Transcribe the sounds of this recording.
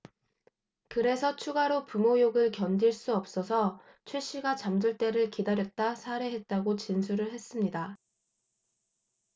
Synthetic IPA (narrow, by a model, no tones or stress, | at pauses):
kɯɾe̞sʰʌt͡ɕʰuɡaɾopumojoɡɯɭkjʌnd͡ʑiɭs͈uʌp̚s͈ʌsʰʌ | t͡ɕʰweɕ͈iɡat͡ɕamd͡ʑuɭt͈e̞ɾɯɭkidaɾjʌt̚t͈asʰaɾe̞ɦe̞t̚t͈aɡot͡ɕinsʰuɾɯɭɦe̞s͈ɯmɲida